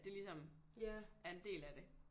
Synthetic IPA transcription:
d̥e̝lisɒ̽m | ʔæɐe̝nd̥e̝̰ːlæd̥e̝

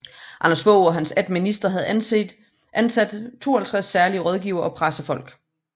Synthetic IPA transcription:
ʔɑnɐsʋɔʊɒ̽ɦænsæd̥minisd̥ʁɐɦæð̞̩ˠæne̥ | ʔænsæd̥t͡sʰo̝̰ːɐhelt͡sʰʁasːæɐliəʁɒ̽ð̞ˠɡ̥iʊɐʔɒ̽pʰʁasəfɒ̽l̰ɡ̥

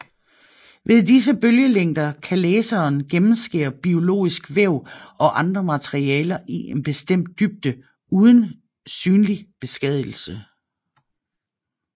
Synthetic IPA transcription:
ʋʔe̝ðˠd̥is̬əb̥øljəleŋ̰d̥ɐkʰæleːsɐːnɡ̥emm̩sɡ̥e̝̰ːɐb̥io̝lo̝̰ːisɡ̥ʋeʊ̰ɒ̽ʔɑ̈nd̥ʁɐmæt͡sʰeʁiɛːlɐʔiʔenb̥e̝sd̥em̰d̥̚ːyb̥̚d̥ə | uːð̞ˠn̩ | syːnlib̥e̝sɡ̥ɛð̰ˠl̩sə

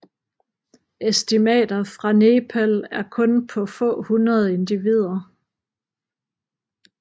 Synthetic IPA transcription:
esd̥imɛ̰ːd̥ɐfʁɑ̈ne̝ːpʰælæɐkʰɔ̽npʰɒ̽fɔ̰̽ːhunʁɐð̞ˠe̝nd̥iʋið̞̰ˠɐ

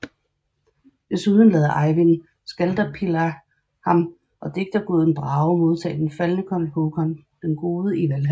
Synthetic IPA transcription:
d̥e̝suːð̞ˠən̩lɛːð̞ˠɐʔɑ̈ɪʋin | sɡ̥æld̥ɐpʰilɐ | hɑ̈m | ʔɒ̽d̥e̝ɡ̥̚d̥ɐɡ̥oðˠn̩b̥ʁɑ̈ːʊmo̝ð̞ˠt͡sʰɛ̰ːd̥enfælnəkʰɒ̽nhokʰɒnd̥enɡ̥o̝ːðˠəiʋælɦæ

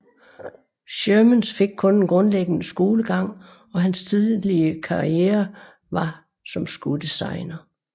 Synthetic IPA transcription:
ɕømənsfe̝ɡ̥̚kʰɔ̽ne̝nɡ̥ʁɔ̽nleɡ̥nəsɡ̥o̝ːləɡ̥ɑ̈ŋ̰ | ɒ̽ɦænst͡sʰiðˠliəkʰɑ̈ʁieːɐ | ʋɑ̈ | sɒ̽msɡ̥ud̥isɑ̰̈ɪnɐ

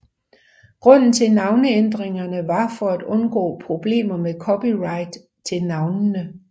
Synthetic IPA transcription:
ɡ̥ʁɔ̽n̰n̩t͡sʰe̝nɑ̈ʊnəend̥ʁeŋɐnəʋɑ̈fɒ̽æd̥ɔ̽nɡ̥ɔ̰ːpʰʁo̝b̥le̝̰ːmɐmekʰɒ̽piʁɑ̈ɪd̥ | t͡sʰe̝lnɑ̈ʊnnə

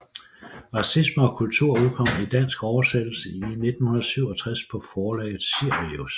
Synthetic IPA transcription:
ʁɑ̈sisməɒ̽kʰult͡sʰuɐ̰uðˠkʰɒ̽m̰id̥æn̰sɡ̥ɒʊɐsed̥l̩səine̝d̥n̩hunðɐsyʊ̰ɒ̽t͡sʰʁaspʰɒ̽fɒːlɛ̰ːɪð̩ˠsyɐ̰ʁios

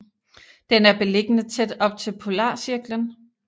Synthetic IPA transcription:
d̥enæɐb̥e̝le̝ɡ̥ənət͡sʰed̥ɒ̽b̥̚t͡sʰe̝lpʰo̝lɑ̰̈ːsiɐɡ̥lən

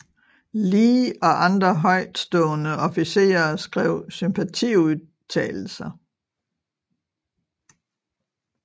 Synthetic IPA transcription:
liːɒ̽ʔɑ̈nd̥ʁɐɦɒ̽ɪ̰d̥sd̥ɔ̽ːnəʔɒ̽fise̝̰ːɐsɡ̥ʁɛʊ̰sympʰæt͡sʰḭːuðˠ | t͡sʰɛ̰ːl̩sɐ

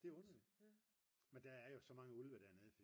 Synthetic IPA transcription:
d̥e̝ɔ̽nɐli̥ | mend̥ææɐjo̝sɒ̽mɑ̈ŋəulʋəd̥æɐneðˠf

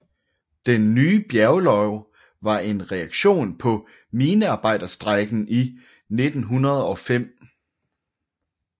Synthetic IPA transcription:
d̥enːyːb̥jæɐʊlɒ̽ʊ | ʋɑ̈e̝nʁɛɑ̈ɡ̥ɕo̝̰ːnpʰɒ̽ | miːnəɑ̈ːb̥ɑ̈ɪ̰d̥ɐsd̥ʁaɡ̥n̩i | ne̝d̥n̩ɦunɐð̞ˠɒ̽fem̰

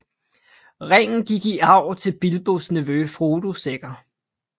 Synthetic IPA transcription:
ʁɛŋ̰n̩ɡ̥iɡ̥iɑ̈ʊ̰t͡sʰe̝lb̥ilb̥osniʋøfʁoːd̥useɡ̥ɐ

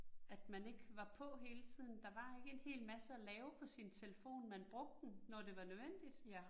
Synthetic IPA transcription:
æd̥mæne̝ɡ̥ʋɑ̈pʰɔ̽ɦe̝ːlət͡sʰið̰ˠn̩d̥ɑ̈ʋɑ̈e̝ɡ̥əe̝nhe̝̰ːlmæsəælɛːʊpʰɒ̽sint͡sʰe̝ləfo̝̰ːnmænb̥ʁɔ̽ɡ̥̚d̥enːɒd̥e̝ʋɑ̈nøðʋen̰d̥id̥

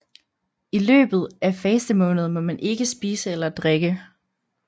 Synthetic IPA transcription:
ilø̰ːb̥ð̞̩ˠʔæfeːsd̥əmɔ̽ːnð̞̩ˠmɒ̽mænʔe̝ɡ̥əsb̥iːsəelɐd̥ʁeɡ̥ə

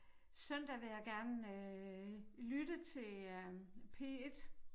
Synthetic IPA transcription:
sœn̰d̥æʋe̝jɑ̈ɡ̥æɐnø | lyd̥ət͡sʰe̝l | pʰe̝ed̥

